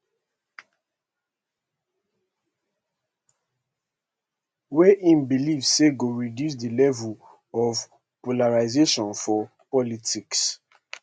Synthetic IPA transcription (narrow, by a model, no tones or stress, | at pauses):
wɛʔĩnbilivseɡoɹidjus̬dəlɛvul | ɔv | polaɹaɪzeʃɔ̃nfɔ | pɔlitiks